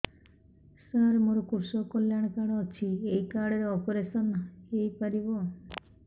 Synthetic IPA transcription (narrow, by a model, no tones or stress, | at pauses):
saɾmoɾokuɾsokoljaɽ̃kaɽɔt͡ʃʰiejkaɽeɾɔpoɾesɔnejpaɾibɔ